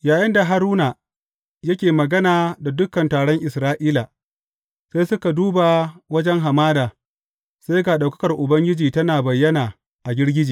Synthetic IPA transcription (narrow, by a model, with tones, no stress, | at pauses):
jaː˨jɪ˦nda˨ɦa˦ɾuː˦naː˨ | jɐ˦kʲeː˨mɐ˨ɡɐ˦naː˨da˨dʊ˦kɐ˨ntaː˨ɽɔ˦ŋʔɪ˨sɾaː˦ʔiː˦laː˨ | sa˦jsʊ˦ka˨duː˦baː˨wɐ˦d͡ʒɛ˦ŋɦa˨maː˦daː˨ | sa˦jɡaː˨ɗa˨wkɐ̥˦kɐ˨rʔʊ˨bɐ˦ŋɡʲɪ˦d͡ʒiː˨tɐ˦naː˨bɐ˨jːɐ˦naː˨ | ʔa˨ɡʲɪ˦rɡʲɪ˦d͡ʒiː˨